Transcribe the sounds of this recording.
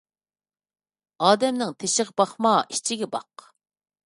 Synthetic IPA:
ɑːd̪ɛmnɪŋt̪ʰeʃɪʁbɑχmɑʔit͡ʃʰɪɡʲɛbɑ̰q

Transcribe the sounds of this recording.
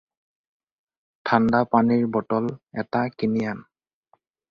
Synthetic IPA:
tʰandapaniɹbɔtɔlɛtakinijan

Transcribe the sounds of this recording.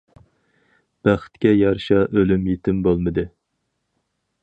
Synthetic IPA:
b̥æχt̪kʲɛjɑɾʃɑʔølymjet̪ʰɪmbolˠmɨd̪ɨ

